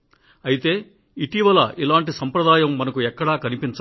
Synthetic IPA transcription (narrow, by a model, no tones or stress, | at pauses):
ɐjit̪e̞ː | iʈiʋɐlɐʔilaːɳʈisɐmpɾɐd̪aːjɐmːɐnɐkuɛkːɐɽɐːkɐnipint͡ʃ